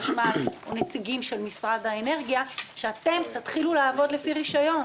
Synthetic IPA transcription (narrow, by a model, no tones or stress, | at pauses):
ʃmaonet͡siɡimʃe̞lmisʁadaene̞ʁɡijaʃeat̪e̞mt̪at̪χilulaːvo̞d̪lefiʁiʃajo̞n